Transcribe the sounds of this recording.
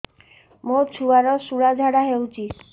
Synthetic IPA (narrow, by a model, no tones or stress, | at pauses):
mot͡ɕʰuaɾɔsuɽad͡ʑʱaɽaɦeut͡ɕi